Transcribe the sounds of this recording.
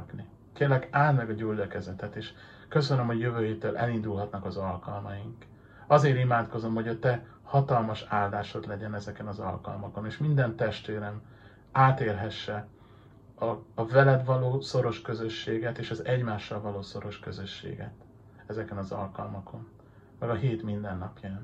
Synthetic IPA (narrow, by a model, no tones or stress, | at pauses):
pni | keːrlːɛɡaːlmɛɡɒɟuldɒkɛzɛt̪ɛt̪eːʃ | kø̞sønømhoɟjøvøːɦeːt̪ːølʔɛ̰lind̪ulɦɒt̪nɒkɒzɒlkɒlmɒjiŋk | ɒzeːɾimaːt̪ko̞zo̞mho̞ɟɒt̪ɛ | hɒt̪ɒlmɒʃaːld̪aːʃod̪lɛɟɛnɛzɛkɛnɒzɒ̰lkɒ̰lmɒko̞neːʃmind̪ɛnt̪ɛʃt̪ʋeːɾɛn | aːt̪eːrɦɛʃːɛ | ɒːvɛlɛd̪vɒloːso̞ɾo̞ʃkøzø̞ʃːeːɡɛt̪eːʃɒzɛɟmaːʃːɒlvɒloːso̞ɾo̞ʃkøzø̞ʃːḛːɡɛ̰t̪ | ɛzɛkɛnɒzɒ̰lkɒlmɒkʰo̞n | mɛɡɒɦeːt̪mind̪ɛnːɒpjɒn